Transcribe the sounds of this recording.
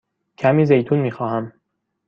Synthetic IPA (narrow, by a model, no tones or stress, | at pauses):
cʰæmiːzejt̪ʰuːnmiːxɒːhæm